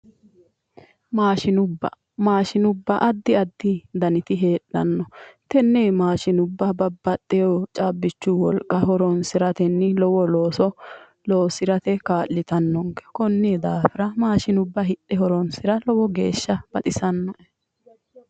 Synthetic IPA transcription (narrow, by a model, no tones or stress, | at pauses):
maːʃɪnʊbːɐ̰ | maːʃɪnʊbːɐʔɐd̪ːɪɐd̪ːɪd̪ɐnɪt̪ɪɦe̞ːᶑːɐnːɔt̪ɛnːeːmaːʃɪnʊbːɐbɐbːɐt̪ʼːɛjɔt͡ʃʼaːbːɪt͡ʃːʊwɔlkʼːɐɦɔɾɔnsɪɾɐt̪ɛnːɪlɔwɔloːsɔ | loːsɪɾɐt̪ɛkaːlːɪt̪ɐnːɔŋɡɛ̥kɔnːɛɛd̪aːfɪɾɐmaːʃɪnʊbːɐɦɪɗːɛɦɔɾɔnsɪɾɐlɔwɔɡe̞̰ːʃːɐb̥ɐt̪ʼɪsɐnːɐʔɛ